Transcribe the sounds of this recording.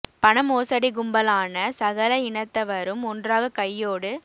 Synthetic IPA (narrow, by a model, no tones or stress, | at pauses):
pɐnɐmoːsɐɽiɡʊmbɐlaːnɐsɐɣɐlɐɪnɐt̪ːɐʋɐɾɯmɔndraːɣɐkɐjːoːɽɯ